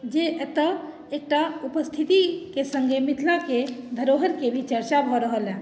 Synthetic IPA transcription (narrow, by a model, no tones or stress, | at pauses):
d͡ʒeʔet̪ə | ek̚ʈaupəst̪ʰit̪ikesəŋɡemit̪ʰlaked̪ʱəɾoɦəɾkebʱit͡ʃəɾt͡ʃabʱɔɾəɦəlɛ̃